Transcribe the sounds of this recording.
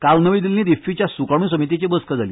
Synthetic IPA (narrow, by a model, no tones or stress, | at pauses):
kalnəʋid̪ilnĩd̪ifit͡ɕjasukaɽ̃ũːs̬əmit̪̬it͡ɕebəskəd͡zalḭː